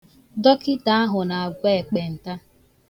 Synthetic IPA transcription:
dɔ˦kɪ˦ta˨˦a˦ɦʊ˨na˨a˨ɡʷe˦e˨k͡pe˨n̩˨ta˦

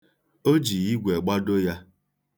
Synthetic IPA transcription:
o˦d͡ʒi˨ji˦ɡʷɛ˨ɡ͡ba˦do˦ja˦

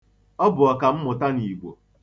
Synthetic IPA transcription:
ɔ˦bʊ˨ɔ˨ka˨m̩˦mʊ˨ta˦ni˨ɡʷo̰˨

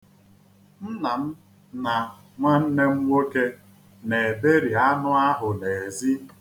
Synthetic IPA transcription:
n̩˦na˨m̩˦ | na˨ | ŋʷa˦n̩˦ne˦ŋ͡m̩˦ŋʷo˦ke˦ | ne˨be˦ɾi˨a˦nʊ˦a˦ɦʊ˨ne˨e˨zi˦

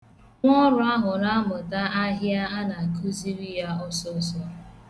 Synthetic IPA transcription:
ŋʷɔ˦ɾʊ˨a˦ɦʊ˨ɾa˦mʊ˨ta˦a˦ɦja˦a˦na˨ku˦zi˦ɾi˦ja˦ɔ˦sɔ˦sɔ˦

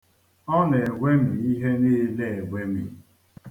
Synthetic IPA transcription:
ɔ˦ne˨ɡʷe˦mi˨i˦ɦe˦ne˦le˨e˨ɡʷe˦mḭ˨

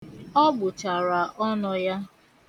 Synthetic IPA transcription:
ɔ˦ɡ͡bʊ˨t͡ʃa˨ɾa˨ʔɔ˦nɔ˨ja˦

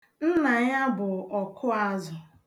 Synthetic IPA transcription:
n̩˦na˨ɲa˦bʊ˨ɔ˨kʰʊ˦a˦zʊ˨

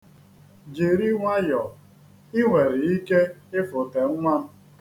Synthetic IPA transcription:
d͡ʒe˨ɾi˦ŋʷa˦jɔ˨ | ɪ˦ŋʷe˨ɾɪ˨i˦ke˦ɪ˦fʊ˨te˨ŋ̩˦ŋʷa˦m̩˦

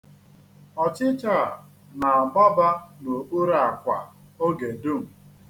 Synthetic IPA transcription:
ɔ˨t͡ʃɪ˦t͡ʃa˦˨ | na˨a˨ba˦ba˦no˨ʔu˦ɾa˦˨a˨kʷa̰˨ | o˦ɡe˨du˦˨m̩˨

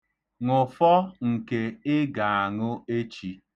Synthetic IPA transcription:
ŋʊ˨fɔ˦ŋ̩˨ke˨ɪ˦ɡa˨a˨ŋʊ˦e˦t͡ʃi˦

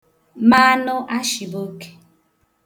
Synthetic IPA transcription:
ma˦nʊ˦ʔa˦ʃi˨bo˦ke̥˨

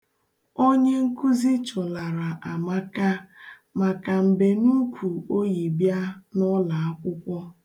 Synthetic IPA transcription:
o˦ɲe˦ŋ̩˦ku˦zi˦t͡ʃʊ˨la˨ɾa˨ʔa˨ma˦ka˦ | ma˨ka˨m̩˨be˨nu˦kʷu˨o˦ji˨bja˦nɔ˦la˨a˦kʷʊ˦kʷɔ˦

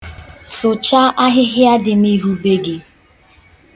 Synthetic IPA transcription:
sʊ˨t͡ʃa˦ʔa˦ɦɪ˦ɦja˦dɪ˨ni˦ɦu˦be˦ɡe˨

